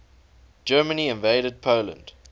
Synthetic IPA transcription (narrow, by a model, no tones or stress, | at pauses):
d͡ʒɜːməniɪ̃nveɪɾəd̚pʰoʊlə̰̃nd̥